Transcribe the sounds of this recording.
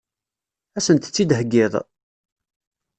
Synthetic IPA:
æsənt̪ə̥t͡sːid̪ɦəɡːɪðˤ

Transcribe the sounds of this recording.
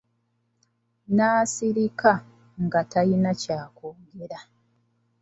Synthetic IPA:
naːsiɾika | ŋɡatajinacaːkoːɡeɾa

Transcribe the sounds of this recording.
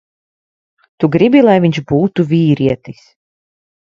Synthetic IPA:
t̪uɡɾibilˠajviɲʒbuːt̪uvʲiːɾiɛt̪is

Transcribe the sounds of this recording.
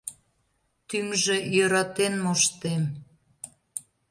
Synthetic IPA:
t̪ymʒejøɾɑt̪enmoʃt̪em

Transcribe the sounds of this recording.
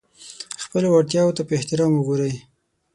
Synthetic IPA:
xpəlowaɽt̪̬jɑwot̪apəɪht̪ɪɾɑmʊɡoɾəj

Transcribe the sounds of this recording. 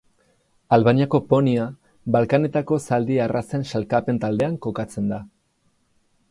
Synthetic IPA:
alβaniako̞po̞nia | βalkane̞t̪ako̞sald̪iarʔase̞nʃalkape̞nt̪ald̪e̞aŋko̞kat͡se̞nd̪a

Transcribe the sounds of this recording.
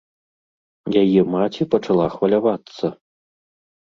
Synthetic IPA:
jajɛmat͡sʲipɐt͡ʂalˠaxvɐlʲavat̪sːɐ

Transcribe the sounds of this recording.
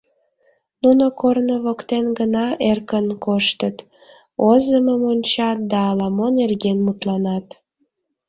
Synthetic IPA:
nunokornəβokt̪enɡənɑerkənkoʃt̪ət̪ | ozəməmonʲt͡ɕɑt̪̚d̪ɑːlɑmonerɣenmut̪lɑnɑt̪

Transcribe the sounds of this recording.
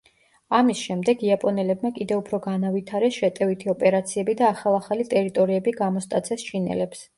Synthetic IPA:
amisʃɛmd̪ɛɡiapʼɔnɛlɛbmakʼid̪ɛupʰɾɔɡanavit̪ʰaɾɛsʃɛt̪ʼɛvit̪ʰiɔpʼɛɾat̪sʰiɛbid̪aːχalˠaχalit̪ʼɛɾit̪ʼɔɾiɛbiɡamɔst̪ʼat̪sʰɛst͡ʃʰinɛ̰lɛps

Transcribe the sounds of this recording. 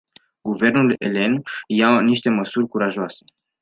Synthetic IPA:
ɡuve̞rnulḛle̞njaniʃt̪e̞məsurʲkuɾaʒoase

